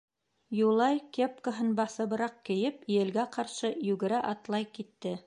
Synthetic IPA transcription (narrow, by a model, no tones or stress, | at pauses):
julˠɑjkep̚kəɦɤnbɑsɤ̆βɤ̆ɾɑq̚kɘ̆jɘpijɘ̆lɡæqɑɾʃɤjʉɡɘ̆ɾæʔɑt̪lˠɑjkit̪ːɘ